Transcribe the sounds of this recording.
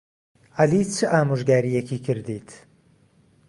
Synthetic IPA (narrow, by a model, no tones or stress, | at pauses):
ɐlit͡sʰɨʔaːmuʒɡaːɾijekʰiːkʰɨɾd̪iːt̪ʰ